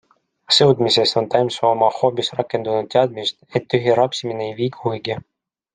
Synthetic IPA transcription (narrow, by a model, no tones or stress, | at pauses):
sɤwd̪mise̞st̪o̞nt̪ɑjmsoːmɑhoːpisrɑkːˑe̞nd̪unud̪̚t̪eɑd̪̚mist̪et̪ːyɦʲiɾɑpsimineejviːɡuɤjɡ̥i